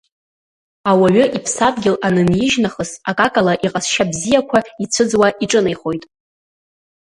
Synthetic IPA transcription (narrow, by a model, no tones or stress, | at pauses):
awaɥʊʔipʰsadɡʲɪlanɨnjɪʒnaχəsakʼakʼalaʔiqʼasʃabzijakʷʰait͡sʷʰɨd͡zwaiʈ͡ʂʼɨnejχo̞jtʼ